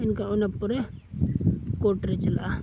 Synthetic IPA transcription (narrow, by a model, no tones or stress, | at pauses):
ɪnkaʊnepːʊɾe | koːʈɾet͡ʃɐla